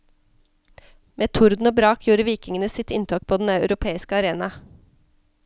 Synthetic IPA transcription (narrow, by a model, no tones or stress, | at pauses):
mʔeːt̪ʰʊɾd̪n̩oːbɾɑːkʰjuːɾəʋiːkɪŋənəsɪt̪ɪnt̪ʰɑːk̚pʰoːd̪nɑœʉɾʊpʰeːɪskəɑɾeːnɑ